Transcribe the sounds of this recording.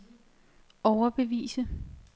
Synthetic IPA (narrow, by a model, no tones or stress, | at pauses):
ɒʊɐb̥e̝ʋḭːsə